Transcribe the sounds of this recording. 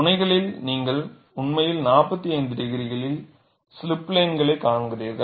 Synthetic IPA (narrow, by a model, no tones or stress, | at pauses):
ʊnɐɪɣɐɭɪlniːŋɡɐɭ | ʊɳmɐjɪlnaːpɐt̪ːiɐɪnd̪ɪɾɪɣɪɾɪɣɐɭɪl | sɪlɪpːleːnɡɐɭɐɪkːaːɳɡɪriːɾɣɐ